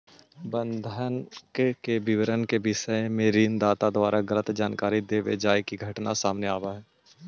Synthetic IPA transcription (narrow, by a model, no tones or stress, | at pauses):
bə̃nd̪ʱənkkebɪʋɾənkebɪʃəemẽɾiːnd̪aːt̪ad̪ʋaːɾaɡələt̪d͡ʒaːnkaːɾid̪eːʋḛd͡ʒaːjkiɡʱɐʈnasaːmneaːʋaɦɛː